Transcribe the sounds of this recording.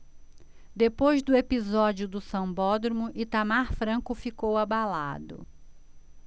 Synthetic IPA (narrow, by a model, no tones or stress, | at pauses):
d̪epojzd̪ʊepizɔd͡ʒiʊd̪ʊsɐ̃w̃bɔd̪ɾomʊʔɪt̪amaɾfɾɐ̃kʊfikowabala̰d̪ʊ̰